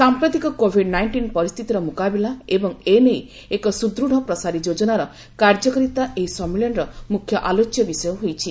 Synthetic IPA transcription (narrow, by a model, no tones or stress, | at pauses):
sampɾɔt̪ikɔkobʱiɖnajɳʈinpɔɾist̪ʰit̪iɾɔmukabilaebɔŋenej | ekɔsud̪ɾuɽ̤ɔpɾɔsaɾid͡ʒod͡ʒɔnaɾɔ | kaɾd͡ʒɔkɔɾit̪aʔeɦisɔmiljɔnɾɔmukʰːjɔʔalot͡ʃjɔbisɔjɔɦojt͡ʃʰi